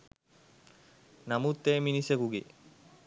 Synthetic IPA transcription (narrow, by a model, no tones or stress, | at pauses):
namut̪ːeːminisekuɡḛ